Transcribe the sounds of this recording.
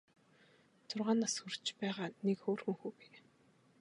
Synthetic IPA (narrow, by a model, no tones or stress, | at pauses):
t͡s̪ʰʊrʁaːnːasxurt͡ɕpæːʁaːnekxoːrxɘ̆ŋxuːpi